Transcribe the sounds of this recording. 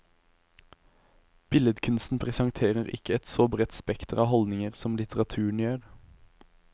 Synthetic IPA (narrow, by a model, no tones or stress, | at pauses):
b̥ɪləd̪kʰʉnst̪n̩pʰʁɛsɑŋt̪ʰeːʁəʁɪ̰kəɛt̪soːbʁɛt̪spɛkt̪əʁɑːhɔld̪nɪŋəʁsɔmlɪt̪ʰəʁɑt̪ʰʉːɳ̩jøːʁ